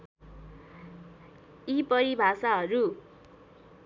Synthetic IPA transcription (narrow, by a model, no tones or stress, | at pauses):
ipʌɾibʱasaɦʌɾu